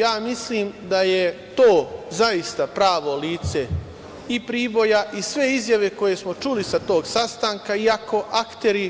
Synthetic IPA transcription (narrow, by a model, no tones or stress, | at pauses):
jaːmisliːmd̪aje̞t̪oːzaist̪apɾaːʋo̞liːt̪se̞ | ipɾiːbo̞jaʔisʋe̞izjaʋe̞ko̞je̞smo̞t͡ʃulisat̪o̞ːɡsast̪aːŋkaiako̞ʔakt̪e̞ɾi